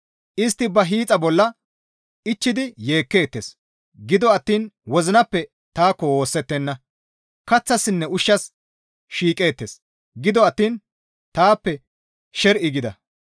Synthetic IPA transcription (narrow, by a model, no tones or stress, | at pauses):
ʔɪst̪ːɪbɐɦiːt͡sʼɐbɔlːɐ | ɪt͡ʃːɪd̪ɪje̞ːkːe̞ːt̪ːes | ɡɪd̪ɔɐt̪ːiːnwɔzɪnɐpːɛ | t̪aːkːɔwo̞ːsːɛt̪ːɛnːɐ | kɐt͡sːɐsːɪnːɛʊʃːɐs | ʃiːkʼe̞ːt̪ːes | ɡɪd̪ɔɐt̪ːiːn | t̪aːpːɛ | ʃɛɾʔɪɡɪd̪ɐ̰